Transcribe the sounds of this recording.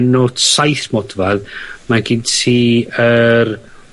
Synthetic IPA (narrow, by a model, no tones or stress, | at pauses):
nod̥sajθmɔdvaðmaɡɪntsiːər